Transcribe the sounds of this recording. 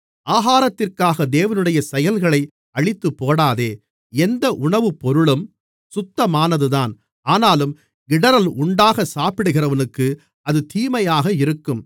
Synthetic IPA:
ʔaːɣaːɾɐt̪ːɪrkaːɣɐd̪eːʋɐnɯɽɐjɐsɛjɐlɣɐɭɐɪ | ɐɭɪt̪ːɯpːoːɽaːðeː | ɛnd̪ɐʔʊɳɐʋɯpːɔɾɯɭɯm | sʊt̪ːɐmaːnɐðɯðaːn | aːnaːlɯm | ɡɪɽɐɾɐlʊɳɖaːɣɐsaːpɪɽɯɣɪrɐʋɐnɯkːɯ | ɐðɯt̪iːmɐjaːɣɐɪɾɯkːɯm

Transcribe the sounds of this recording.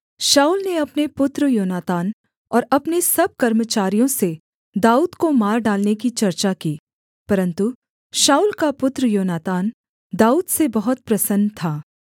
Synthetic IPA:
ʃaːuːlneɐpnepʊt̪ɾəjoːnaːt̪aːn | ɔːɾɐpnesɐb̚kɐɾmət͡ʃaːɾijõse | d̪aːuːd̪komaːɾɖaːlnekit͡ʃɐɾt͡ʃakiː | pɐɾə̃nt̪u | ʃaːuːlkapʊt̪ɾəjoːnaːt̪aːn | d̪aːuːd̪sebɐɦʊt̪̚pɾɐsənːt̪ʰaː

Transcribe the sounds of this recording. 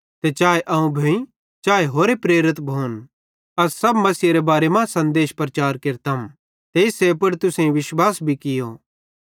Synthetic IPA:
t̪et͡ʃaːeʔɐũbʱɐĩ | t͡ʃaːeɦoːɾepɾeːɾɪt̪bʱoːn | ɐssɐbmɐsiɾebaːɾemãsɐ̃nd̪eːʃpɾɐt͡ʃaːɾkeɾt̪ɐm | t̪eːɪsep̬ɐɽt̪ʊsẽĩʋɪʃwaːsbʱikɪjo

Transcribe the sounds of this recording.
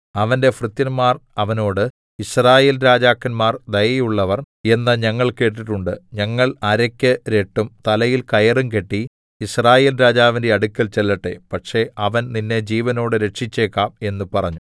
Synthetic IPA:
ɐʋɐnde̞frɨt̪jɐnmaːrɐʋɐno̞ːɽɨ | israːjeːlɾaːd͡ʑaːkːɐnmaːrd̪ɐjɐjuɭːɐʋɐr | e̞nːɐɲɐŋːɐɭke̞ːʈ̬ːiʈːuɳɖɨɲɐŋːɐɭɐɾɐkʲːɨɾe̞ʈːumt̪ɐlɐjilkɐjɐrumke̞ʈːi | israːjeːlɾaːd͡ʑaːʋinde̞ɐɽukʲːɐlt͡ɕe̞lːɐʈːḛpɐʈʂe̞ɐʋɐnninːe̞d͡ʑiːʋɐno̞ːɽɨɾe̞ʈʂit͡ɕːe̞ːkːaːme̞nːupɐrɐɲːu

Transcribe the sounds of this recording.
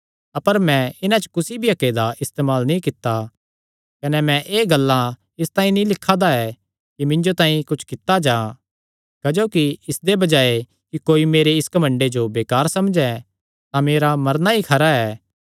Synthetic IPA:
ɐpəɾmɛ̃ɪnãt͡ʃə̥kʊsibʱiɐkeːd̪aʔɪst̪eːmaːlnĩkɪt̪ːa | kɐnɛmɛ̃ʔeːɡɐlːã | ɪst̪ãːĩnĩlɪkʰːad̪aɛ | kimɪ̃ɲd͡ʒot̪ãːĩkʊt͡ʃʰkɪt̪ːad͡ʒaː | kɐd͡ʒoːkiɪsd̪ebɐd͡ʒaːe | kikoːimeːɾeɪskɐmə̃ɳɖed͡ʒobeːkaːɾsɐmd͡ʒɛ | t̪ãmeːɾamɐɾnaɦikʰɐɾaɛː

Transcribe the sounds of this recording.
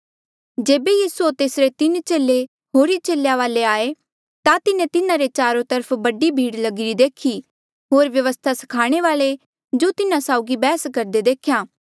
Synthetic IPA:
d͡ʒeːbejiːsuot̪eːsɾet̪ɪnt͡ʃeːle | ɦoːɾit͡ʃeːljaʋaːleaːe | t̪at̪ɪnẽt̪ɪnãɾet͡ʃaːɾõt̪əɾpʰbɐɖibʱiːɽlɐɡɪɾid̪eːkʰi | ɦoːɾʋjɐʋəst̪ʰasɐ̥kʰaːɽ̃eʋaːle | d͡ʒoːt̪ɪnãsaːʊɡibɛːskɐɾd̪ed̪eːkʰjaː

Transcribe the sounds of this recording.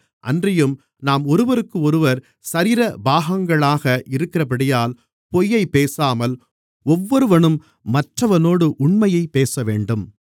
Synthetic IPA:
ʔɐ̰ndrɐjɯm | naːmɔɾɯʋɐɾɯkːɯɔɾɯʋɐɾ | sɐɾɪːɾɐbaːɣɐŋɡɐɭaːɣɐʔɪɾɯkːɪrɐp̬ɐɽɪjaːl | pɔjːɐɪpeːsaːmɐl | ɔʋːɔɾɯʋɐɳɯmː | ɐʈrɐʋɐnoːɽɯʔʊɳmɐjɐɪpːeːsɐʋḛːɳɖɯm

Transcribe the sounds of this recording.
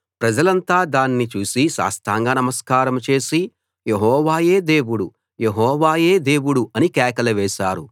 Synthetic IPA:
pɾɐd͡ʒɐlɐnt̪aːd̪aːnːit͡ʃuːsiʃa̰ːst̪ʰaːŋɡaːnɐmɐskaːɾɐmt͡ʃe̞ːsi | jeɦɔːʋaːje̞ːd̪eːwuɽu | jeɦɔːʋaːje̞ːd̪e̞ːwuɽuʔɐnikɛːkɐlɐʋɛːʃaːɾu

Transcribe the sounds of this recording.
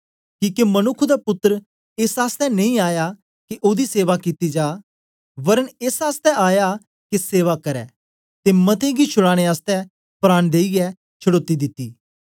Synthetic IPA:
kiːkemɐnʊkʰːd̪apʊt̪ːəɾ | eːsaːst̪ɛnɐ̃ĩaːja | keʔoːd̪iseːʋakit̪id͡ʒaː | ʋɐɾəneːsaːst̪ɛaːja | kiseːʋakɐɾɛː | t̪emɐt̪ẽɡit͡ʃʰʊɽaːɽ̃eaːst̪ɛ | pɾaːñd̪eːiɡɛ | t͡ʃʰɐɽoːt̪ːid̪ɪt̪ːiː

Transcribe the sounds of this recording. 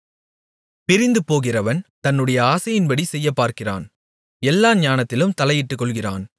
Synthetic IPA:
pɪɾɪnd̪ɯpoːɣɪrɐʋɐnt̪ɐnːɯɽɐjɐaːsɐjɪnbɐɽisɛjːɐpːaːɾkɪra̰ːn | ɛlːaːɲaːnɐt̪ːɪlɯmt̪ɐlɐjɪʈːɯkːɔɭɣɪra̰ːn

